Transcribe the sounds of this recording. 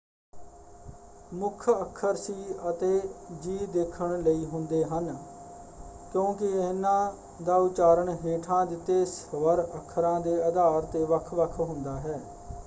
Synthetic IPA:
mʊkʰəkʰːəɾsiːət̪eːd͡ʒiːd̪eːkʰəɳləiːɦʊnd̪eːɦən | kjõːkɪɪnːãː | d̪aːʊt͡ʃaːɾəɳɦeːʈʰãːd̪ɪt̪ːeːsəʋəɾəkʰːəɾãːd̪eːəd̪aːɾt̪eːʋəkʰʋəkʰɦʊ̃nd̪aːɦɛː

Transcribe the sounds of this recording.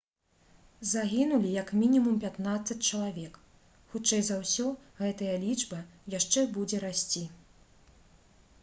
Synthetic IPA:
zaɣʲinulʲijɐkmʲinʲimumpʲat̪nat̪sɐt͡sʲt͡ʂɐlˠavʲɛk | xut͡ʂɛjzawsʲɔɣɛt̪ɐjɐlʲid͡ʐbɐjaʂt͡ʂɛbud͡zʲɛɾasʲt͡sʲi

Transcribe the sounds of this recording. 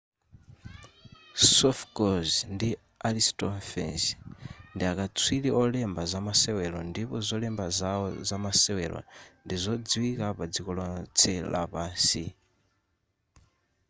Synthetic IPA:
sɔfɡɔzndi | alistɔnfɛ̰nsndiakat͡sʰwiliʔɔlɛmbazamasɛwɛlɔndipɔzɔlɛmbazaɔzamasɛwɛlɔ̰ndizɔd͡ziwikapad͡zikɔlɔt͡sʰɛla̰paːsi

